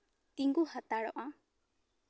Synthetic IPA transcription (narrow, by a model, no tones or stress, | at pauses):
t̪iŋɡuhat̪aɽɔ̰ʔa